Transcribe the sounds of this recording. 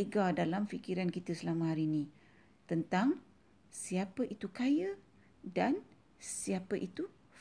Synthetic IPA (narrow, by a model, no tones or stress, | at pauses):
eɡadalamfikiɾankit̪əsəlamə̃ɦaɾinĩ | t̪ənt̪aŋ | siapəʔit̪ukajə | dan | siapəʔit̪u